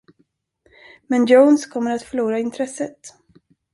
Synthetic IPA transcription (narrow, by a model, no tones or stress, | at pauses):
mɛnjownskʰɔmːəɾat̪fœɭuːɾaɪnt̪ʰɾɛsət̪